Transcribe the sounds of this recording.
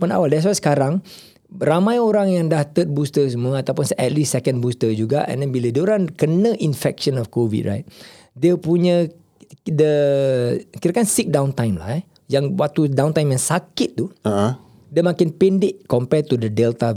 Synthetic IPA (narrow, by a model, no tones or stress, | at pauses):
ana̰waldɛs̬wajsə̥kaɾaŋ | ramãjoɾaŋjaŋdaht̪ət̪̚bust̪əs̬əmuaat̪awpʊnsɛt̪lissɛkə̃nbust̪əd͡ʒuɡaʔɛ̰̃ndɛnbilədiəoɾaŋkənə̃ʔinfɛk̚ʃə̃nɔfkovḭd̚ɹa̰jt̪̚ | diəpuɲə̃ | də | kiɾakansik̚dãwnt̪ajmla̰hɛ | jaŋwak̚t̪udãwnt̪ajmjaŋsakɪt̪̚ːuə | diəmãkɪnpendɪʔ̚kɔmpɛt̪udədɛlt̪a